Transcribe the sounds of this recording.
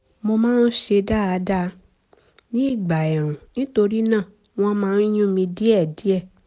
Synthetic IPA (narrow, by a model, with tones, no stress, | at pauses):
mo˧mãː˦n̩˦ʃe˧da˦˨a˧da˦ | nĩ˦i˦˨ɡ͡ba˨jã˨ũ˨nĩ˨˦to˧ɾi˦nãː˦˨ | w̃ɔ̃˦mãː˦˧˦n̩˦j̃ũ˦mĩ˧di˦ɛ˦˨di˨˦ɛ˦˨